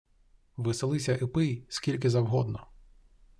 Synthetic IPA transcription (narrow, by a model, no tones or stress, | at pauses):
ʋɪselˠɪsʲɐʔɪpɪjskʲilʲk̬ɪzɐwɦɔd̪nɔ